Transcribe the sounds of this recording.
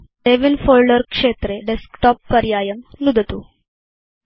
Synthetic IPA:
ɖeʋinfoːlɖəɾkʂeːt̪ɾeɖeskʈɔpːɐɾjaːjəmnud̪ʱət̪u

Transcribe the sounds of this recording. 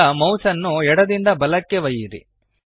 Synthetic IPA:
ɐmɐwsɐnːuɛɽɐd̪ind̪ɐbɐlɐkːeʋɐjiɾḭ

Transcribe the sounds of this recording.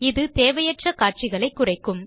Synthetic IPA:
ɪðɯt̪eːʋɐjɐʈrɐkaːʈ̚t͡ʃɪɣɐɭɐɪkːʊrɐɪkːɯm

